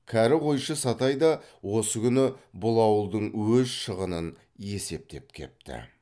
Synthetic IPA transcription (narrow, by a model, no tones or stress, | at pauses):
kʲʰæɾɪʁo̞jʃəsɑt̪ɑjd̪ɑwo̞səkʲʰʏnɪbʊlˠɑwəlˠd̪əɴwɵzʃəʁənən | je̞se̞p̚t̪e̞p̚kʲʰe̞̰p̚t̪ɪ̰